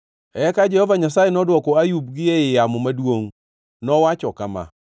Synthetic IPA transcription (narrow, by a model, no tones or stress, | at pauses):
ɛkad͡ʒɛhɔvaɲasajenɔdwɔkɔajubɡɪeɪjamɔmadwoŋ | nɔwat͡ʃɔkama̰